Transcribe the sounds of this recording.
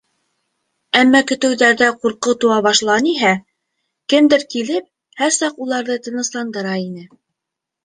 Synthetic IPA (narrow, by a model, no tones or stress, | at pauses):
æmːɑkɵ̆t̪ɘ̆wðæɾðæquɾqɤt̪ŭwɑβɑʃlˠɑniɦæ | kɘmd̪ɘɾkilɘp̚ | hæɾsɑqulˠɑɾðɤt̪ɤ̆nɤ̆slˠɑnd̪ɤ̆ɾɑinɘ